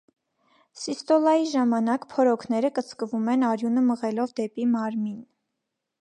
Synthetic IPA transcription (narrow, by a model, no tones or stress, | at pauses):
sist̪ɔlɑjiʒɑmɑnɑkpʰɔɾɔkʰnɛɾəkət͡sʰkəvumɛnɑɾjunəməʁɛlɔvd̪ɛpimɑɾmin